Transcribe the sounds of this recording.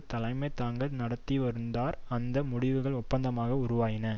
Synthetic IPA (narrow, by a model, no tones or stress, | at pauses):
t̪ːɐlɐɪmɐɪt̪aːŋɡɐɭnɐɽɐt̪ːiʋɐɾɯnd̪aːɾɐnd̪ɐmʊɽɪʋɯɣɐɭʊpːɐnd̪ɐmaːɣɐʊɾʊʋaːjɪnɐ